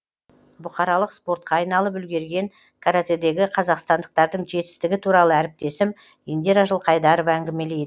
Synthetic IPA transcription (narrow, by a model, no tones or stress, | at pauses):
bʊχɑɾɑlˠəqspo̞ɾt̪̚qʰɑːjnɑlˠəp̬ʏlɡʲe̞ɾɡʲe̞ŋ | kʰaɾat̪ed̪e̞ɡʲɪqʰɑzɑqst̪ɑnd̪əq̚t̪ɑɾd̪əɴʒe̞t̪ɪ̥st̪ɪɡʲɪt̪ʰuɾɑlˠəæɾɪp̚t̪e̞sɪm | jend̪e̞ɾɑʒəlˠqʰɑjd̪ɑɾovæŋɡʲɪme̞lejd̪